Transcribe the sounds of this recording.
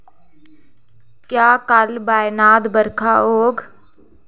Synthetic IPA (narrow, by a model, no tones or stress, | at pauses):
kjaːkɐlbaːjɪnaːd̪bəɾkʰaɦoːɡ